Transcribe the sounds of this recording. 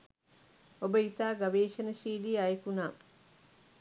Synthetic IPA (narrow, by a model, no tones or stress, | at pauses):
obəit̪aːɡaʋeːʃɐnɐʃiːliːajkunaː